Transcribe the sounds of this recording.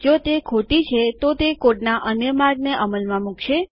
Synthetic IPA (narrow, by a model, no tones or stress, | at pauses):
d͡ʒot̪ekʰoʈit͡ʃʰet̪ot̪ekoʈnaʔənjəmaɾɡneʔəməlmãmukʃe